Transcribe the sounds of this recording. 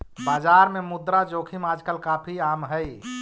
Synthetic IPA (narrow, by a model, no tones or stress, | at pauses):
bad͡ʒaɾmemud̪ɾad͡ʒokʰimad͡ʒkəlkapʰiamɦəj